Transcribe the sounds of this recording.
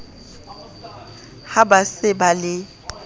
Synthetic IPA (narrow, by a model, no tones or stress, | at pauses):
habasɪbalɪ